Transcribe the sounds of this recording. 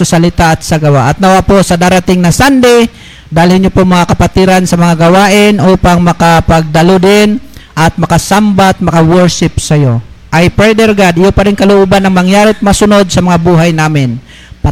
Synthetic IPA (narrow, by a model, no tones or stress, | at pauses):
sɐsɐlɪt̪aʔɐt̪̚sɐɡɐwaʔɐt̪̚nɐwaposɐd̪aːɾat̪ɪŋnɐsand̪ɪ | d̪aːhɪlhɪnjopomɐŋakɐpat̪ɪɾansɐmɐŋaɡɐwaːʔɪnʔoːpaŋmɐkapɐɡ̚d̪ɐlod̪ɪnʔɐt̪̚mɐkasambat̪̚mɐkawɛɹʃɪpsɐjo̞ʔɐjpɾɛd̪ɛɾɡad̪ɪjopɐɾɪŋkɐlʊʔuːbanːɐŋmɐŋjaːɾɪt̪̚masʊno̞d̪̚sɐmɐŋabuːɦajnaːmɪn | p